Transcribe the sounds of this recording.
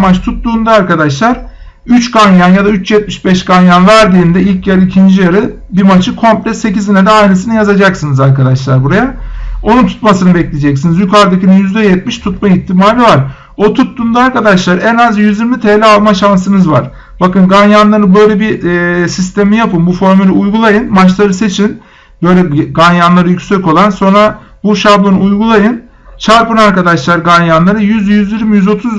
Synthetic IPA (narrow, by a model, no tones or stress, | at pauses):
mat͡ʃt̪ʰut̪ːuːnd̪aːɾkad̪aʃlˠaɾ | yt͡ʃɡanjanjad̪ayt͡ʃjɛt̪̚miʃbɛʃɡanjanvæɾd̪iːnd̪ɛilʲcjɛɾicʰind͡ʒijaɾɯ | bimat͡ʃʰɯkʰo̞mplʲɛse̞cizinɛd̪ɛajnɯsinɯjazad͡ʒaksɯnɯzaɾkad̪aʃlˠaɾbuɾajaonunt̪ʰu̥t̪masɯnɯbɛclʲid͡ʒɛcsinizjykʰaɾd̪acinjyzd̪ɛjɛt̪̚miʃt̪ʰut̪mait̪ʰːimaːlʲivaɾ̥ | o̞t̪ʰut̪ːund̪aaɾkad̪aʃlˠaɾɛnazjyziɾmit̪ʰelʲɛalˠmaʃansɯnɯzvaɾ̥ | bakɯnɡanjanlˠaɾɯbø̞jlʲɛbisist̪ʰemijapɯnbufo̞ɾmylʲiujɡulˠajɯnmat͡ʃlˠaɾɯse̞t͡ʃʰin | bø̞jlʲɛɡanjanlˠaɾɯjycʲsɛko̞lˠanso̞nɾa | buʃablˠonuːjɡulˠajɯn | t͡ʃʰaɾpɯnaɾkad̪aʃlˠaɾɡanjanlˠaɾɯjyzjyzjiɾmijyzo̞t̪ʰuz